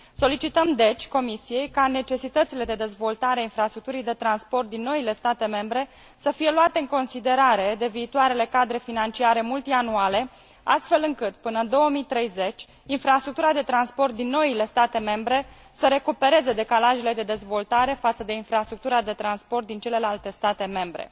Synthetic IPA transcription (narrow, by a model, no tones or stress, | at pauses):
so̞lit͡ʃit̪əmd̪e̞t͡ʃʲko̞misije̞jkane̞t͡ʃe̞sit̪ət̪sile̞d̪e̞d̪e̞zvo̞lt̪aɾeainfɾast̪ɾuk̚t̪uɾijd̪e̞t̪ɾanspo̞rt̪̚d̪inːo̞ile̞st̪at̪e̞me̞mbɾe̞ | səfije̞luat̪eɨŋko̞nsid̪e̞ɾaɾe̞d̪e̞viːt̪uaɾe̞le̞kad̪ɾe̞finant͡ʃiaɾe̞mult̪ianuale̞ | ast̪fe̞lɨŋkɨt̪̚pɨnənd̪o̞womit̪ɾe̞jze̞t͡ʃʲ | infɾast̪ɾuk̚t̪uɾad̪e̞t̪ɾanspo̞rt̪̚d̪inːo̞ile̞st̪at̪e̞me̞mbɾe̞ | səɾe̞kupe̞ɾe̞ze̞d̪e̞kalaʒele̞d̪e̞d̪e̞zvo̞lt̪aɾe̞fat̪səd̪e̞infɾast̪ɾuk̚t̪uɾad̪e̞t̪ɾanspo̞rt̪̚d̪int͡ʃe̞le̞lalt̪e̞st̪at̪e̞me̞mbɾe̞̰